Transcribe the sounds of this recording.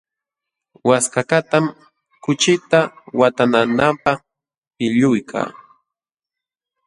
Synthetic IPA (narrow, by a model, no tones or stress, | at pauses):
waskakat̪am | kʊt͡ʃɪt̪awat̪ananampa | pɪʎʊjkʰa̰ː